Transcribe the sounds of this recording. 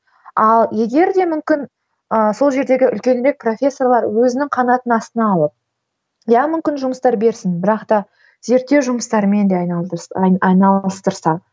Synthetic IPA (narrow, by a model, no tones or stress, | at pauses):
ɑlˠje̞ɡʲe̞ɾd̪e̞mʏmkʲɪn | əso̞lˠʒe̞ɾd̪e̞ɡʲɪʔʏ̰lkʲe̞nɾe̞k̚pro̞fʲe̞sːo̞rlˠɑɾwɵzɪnɪŋqʰɑnɑt̪ənɑst̪ənɑːlˠəp̚ | jɑmʏmkʲɪnʒʊməst̪ɑɾbe̞ɾsɪnbɪɾɑqt̪ɑ | ze̞ɾt̪ːe̞wʒʊməst̪ɑɾəme̞nd̪eɑj̪ | ɑjnɑlˠəst̪əɾsɑ